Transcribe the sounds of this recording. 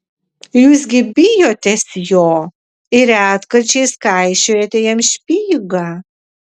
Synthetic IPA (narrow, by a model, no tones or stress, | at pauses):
juːsɡʲɪbʲijoːt̪ʲɛsjoː | ɪɾæːt̪kɐrt͡ʃeːskajʃɛɾʲɛt̪ʲejɛmʃʲpʲiːɡɐ